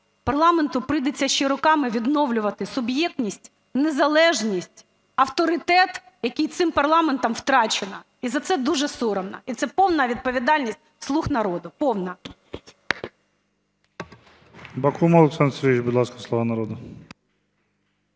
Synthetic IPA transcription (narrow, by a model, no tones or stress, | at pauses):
pɐrlˠɑment̪ʊpɾɪjd̪et͡sʲːɐʃt͡ʃːɛɾʊkɑmɪʋʲid̪nɔwlʲʊʋɐt̪ɪsʊbjɛk̚t̪ʲnʲisʲtʲ | nezɐlˠɛʒnʲisʲtʲ | ɐwt̪ɔɾɪt̪ɛt̪ | jɐkʲijt̪sɪmpɐrlˠɑment̪ɐmwt̪ɾɑt͡ʃenɐ | izɐt̪sɛd̪uʒɛsuɾɔmnɐ̰it̪sɛpɔwnɐʋʲid̪̚pɔʋʲid̪ɑlʲnʲisʲtʲslˠuxnɐɾɔd̪ʊpɔwnɐ | bɐkumɐlˠuksɛnsɾʲit͡ʃbʊd̪lˠɑskɐslˠɔʋɑnɐɾɔd̪ʊ